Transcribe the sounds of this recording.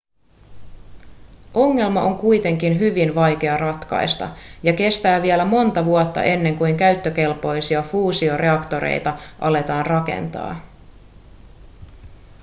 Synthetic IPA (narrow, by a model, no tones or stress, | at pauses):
ʔo̞ŋːe̞lmɑʔo̞ŋkujt̪e̞ŋkinɦyʋinʋɑjk̟e̞ɑrɑt̪kɑ̰jst̪ɑ̰jɑke̞st̪æːʋielæmo̞nt̪ɑʋuot̪ːɑ̰ʔe̞nːe̞ŋkujŋkæɥt̪ːøk̟e̞lpo̞jsiɑfuːsio̞re̞ɑkt̪o̞ɾḛjt̪ɑʔɑle̞t̪ɑːnrɑke̞̰nt̪ɑ̰ː